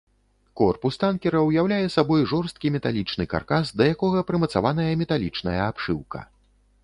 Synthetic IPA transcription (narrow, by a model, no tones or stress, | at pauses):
kɔrpust̪ankʲɛɾɐwjawlʲajɛsabɔjʐɔrst̪̚kʲimʲɛt̪alʲit͡ʂnɨka̰rkasd̪ɐjakɔɣɐpɾɨmɐt̪sa̰van̪ɐjɐmʲɛt̪alʲit͡ʂnɐjɐapʂɨwkɐ̰